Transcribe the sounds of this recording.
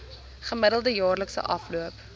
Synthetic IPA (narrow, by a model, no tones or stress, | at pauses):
χəmədəlˠdəjɑːrləksə̰ʔɐfluəp